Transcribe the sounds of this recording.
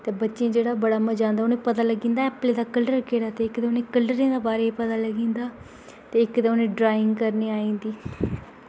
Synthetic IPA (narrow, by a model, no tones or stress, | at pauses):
t̪eːbətːʃẽːd͡ʒeːɽaːbəɽaːməd͡ʒãːnd̪aːʊnẽːpət̪aːləɡĩːnd̪aːɛːpleːd̪aːkəlɖəɾkeːɽaːt̪eːɪkd̪eːʊnẽːkəlɖəɾẽːd̪eːbaːɾeːpət̪aːləɡĩːnd̪aː | t̪eːɪkd̪eːʊnẽːɖɾaːɪ̃ŋɡkəɾniːaːĩːnd̪iː